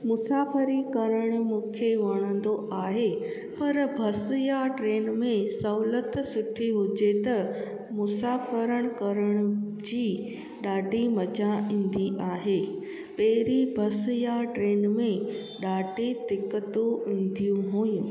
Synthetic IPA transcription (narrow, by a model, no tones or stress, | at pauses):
mʊsaːfəɾikɐɾəɽ̃ʊ̆mũːkʰeʋɐɽ̃ə̃nd̪oʔaːɦe | pɐɾbʱɐsjaʈɾeːnmẽsɐʊlət̪sʊʈʰiɦʊd͡ʑet̪ɐ | mʊsaːfəɾəɽ̃kɐɾəɽ̃ʊ̆d͡ʑiː | ɗaːɖʱimɐd͡ʑaĩːn̆d̪iʔaːɦeː | pɐɦɪɾibʱɐsjaʈɾeːnmẽ | ɗaːɖʱit̪ɪkːət̪uĩːnd̪ijũɦuːjũ